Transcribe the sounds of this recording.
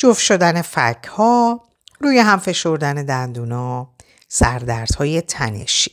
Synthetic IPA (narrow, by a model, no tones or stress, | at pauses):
d͡ʒofʃo̞d̪æne̞fæ̰cʰhɒː | ruːjeɦæmfe̞ʃo̞ɾd̪æne̞d̪ænd̪uːnɒː | sæɾd̪æɾd̪̥hɒːje̞t̪ʰænḛʃi̥